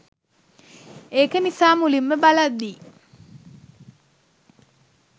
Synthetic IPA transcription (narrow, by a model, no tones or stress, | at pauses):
ekənisaːmulimːəbalad̪ːiː